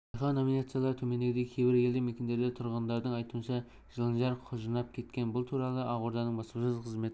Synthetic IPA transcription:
ɑjχɑno̞minat̪sijalˠɑɾt̪ʰɵme̞nd̪eɾd̪ekʲʰejbɪɾe̞ld̪ɪmekʲe̞nd̪e̞ɾd̪ɪt̪ʰʊɾʁənd̪ɑɾd̪əɴɑjt̪uənʃɑ | ʒ̥əlˠənʒɑɾqʰʊʒənɑp̚kʲʰe̞t̪kʲe̞nbʊlˠt̪ʰuɾɑlˠəʔɑʁoɾd̪ɑnəɴbɑsəsəzqʰəzme̞t̪ɪɪ

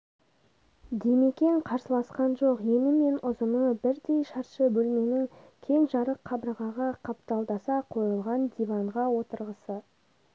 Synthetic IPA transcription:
d̪eme̞kʲe̞ɴqʰɑɾsəlˠɑsqɑnʒoqje̞nɪme̞nʊzəməɴbɪɾd̪e̞jʃɑɾʃəbɵlme̞nɪŋ | kʲʰe̞ŋʒɑɾəqʰːɑbɾəʁɑʁɑqʰɑpt̪ɑlˠd̪ɑsɑqʰo̞jəlˠʁɑnd̪ivɑɴʁɑwo̞t̪əɾʁəsə

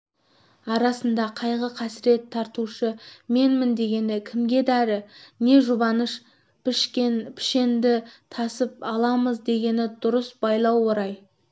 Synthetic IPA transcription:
ɑɾɑsənd̪ɑqʰɑjʁəqʰɑsɪɾe̞t̪ʰːɑɾt̪uʃəme̞nmɪnd̪e̞ɡʲe̞nɪkʲʰɪmɡʲe̞d̪æɾɪne̞ʒʊbɑnəʃ | pɪʃkʲepʰɪ̥ʃe̞nd̪ɪt̪ʰɑsəp̚ɑlˠɑməzd̪e̞ɡʲe̞nɪd̪ʊɾəsbɑjlˠɑwːoɾɑj

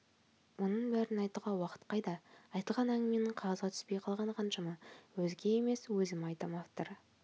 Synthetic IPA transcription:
wo̞nəɴbæɾɪnɑjt̪əʁɑwɑqə̥t̪qʰɑjd̪ɑɑjt̪əlˠʁɑnæŋɡɪme̞nɪɴqʰɑʁɑzʁɑt̪ʰʏ̥spe̞jqʰɑlˠʁɑɴqʰɑnʃɑməwɵzɡʲe̞jeme̞swɵzɪmɑjt̪ɑmɑft̪oɾə

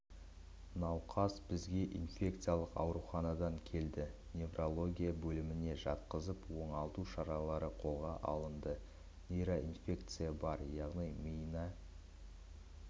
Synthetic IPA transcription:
nɑwqʰɑsbɪzɡʲe̞ʔinfʲe̞k̚t̪sɨjalˠəqɑ̰wɾuχɑnɑd̪ɑŋkʲʰe̞ld̪ɪnʲe̞vrʔo̞lˠo̞ɡʲijabɵlɪmɪne̞ʒɑt̪̚qəzəpwo̞ɴɑlˠt̪uʃɑɾɑlˠɑɾəqʰo̞lˠʁɑʔɑ̰lˠənd̪ə | nʲejɾoʔinfʲe̞kt̪sɨjabɑɾjɑʁnijmijnɑ

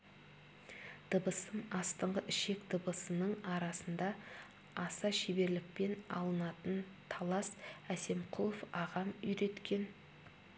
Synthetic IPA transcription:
d̪̥əbəsəmɑst̪əɴʁəʔɪʃe̞kd̪əbəsənəɴɑɾɑsənd̪ɑ | ɑsɑʃebe̞ɾlɪk̚pe̞nɑ̰lˠənɑt̪ən | t̪ʰɑlˠɑsæse̞mqʰʊlˠofɑʁɑmʏjɾe̞t̪kʲe̞n

